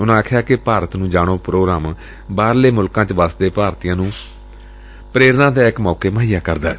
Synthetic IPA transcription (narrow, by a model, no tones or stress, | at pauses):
ʊnãːkʰjaːkɪpaːɾət̪nũːd͡ʒaːɽ̃oːpɾoːɡɾaːm | baːɾleːmʊlkãːt͡ʃʋaːsd̪eːpaːɾt̪ijãːnũː | pɾeːɾnãːd̪eːɪkmɔːkeːməɦijaːkəɾd̪aː